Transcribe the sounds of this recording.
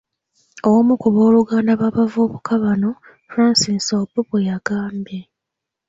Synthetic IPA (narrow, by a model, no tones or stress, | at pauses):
owomukuβo̞ːluɡaːndaβaβavoːβukʰaβano̞ | fɾaːnsinsobuβejaɡaːmbe